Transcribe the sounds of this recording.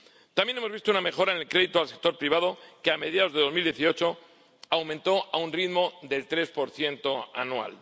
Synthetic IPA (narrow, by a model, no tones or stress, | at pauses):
t̪amje̞nemo̞zβist̪ouname̞xo̞ɾaene̞lkɾe̞ðit̪oalse̞k̚t̪o̞ɾpɾiβ̞að̞o̞keame̞ðjaðozðe̞ðo̞mild̪je̞θio̞t͡ʃo̞ | awmẽnt̪o̞ʔaunriðmo̞ðe̞lt̪ɾe̞spo̞ɾθje̞nt̪o̞a̰nua̰l